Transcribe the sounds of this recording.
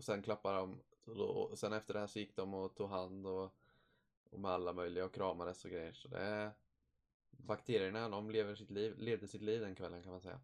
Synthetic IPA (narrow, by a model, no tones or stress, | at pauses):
ɔsɛnkʰlapːaɖɔmɔd̪ɔsɛnɛft̪əɖɛhæːɾʂɔjɪkːd̪ɔmɔt̪ʰuːɡɦand̪ɔ | ɔmɛalːamœjlɪɡaɔkʰɾɑːmad̪əsɔɡɾɛjːəʂɔd̪ɛ̰ | bakt̪ʰeːɾɪəɳad̪ɔmleːvəʂɪt̪liːvleːvd̪əsɪt̪liːvd̪ɛnkʰvɛlːənkʰanmansɛ̰jːa̰